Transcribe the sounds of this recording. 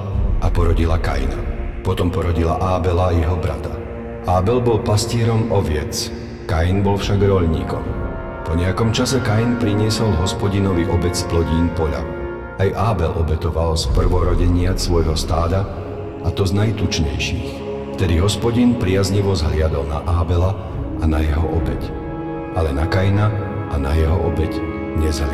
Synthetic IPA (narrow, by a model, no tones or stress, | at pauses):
apɔɾɔɟilaka̰jna̰pɔt̪ɔmpɔɾɔɟila̰ʔaːbɛlaːjɛɦɔbɾa̰t̪a | ʔaːbɛlbɔlpascɪɛɾɔmɔʋɪɛ̰t͡s | kajnbɔlfʃaɡɾɔʎɲḭːkɔ̰m | pɔɲɛakɔmt͡ʃasɛkajnpɾiɲɪɛsɔlɦɔspɔɟinɔʋiʔɔbɛt͡splɔɟiːnpɔʎa̰ | ajʔaːbɛlʔɔbɛt̪ɔʋalspr̩ʋɔɾɔɟɛɲɪasʋɔjɦɔst̪aːd̪a | at̪ɔznajt̪ut͡ʃɲɛ̰jʃḭːx | ft̪ɛd̪iɦɔspɔɟinpɾɪazɲiʋɔzɦʎɪad̪ɔlna̰ʔaːbɛla | anajɛɦɔʔɔbɛc | alɛnakajna | ʔana̰jɛɦɔʔɔbɛc | ɲɛzɦl